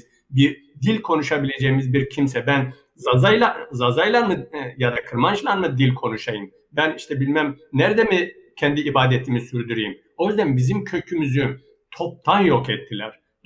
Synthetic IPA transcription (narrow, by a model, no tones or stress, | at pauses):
biɾ | d̪ilʲkʰo̞nuʃabilʲe̞d͡ʒɛjimizbiɾcʰimsɛbæn | zazajlˠazazajlˠaɾmɯjad̪akʰɯɾmant͡ʃlˠaɾmɯd̪ilʲkʰo̞nuʃajɯm | bæniʃt̪ʰɛbilʲmæmnæɾd̪ɛmi | cʰɛnd̪iːbaːd̪ɛt̪ʰimisyɾd̪yɾijim | o̞jyzd̪ænbizimcʰø̞cʰymyzy | t̪ʰo̞p̚t̪ʰanjo̞kɛt̪ʰːilʲæɾ̥